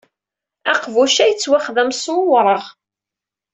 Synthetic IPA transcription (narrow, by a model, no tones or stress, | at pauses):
æqvuʃæjət͡sːwæχðæmsmʊwɾˤəʁ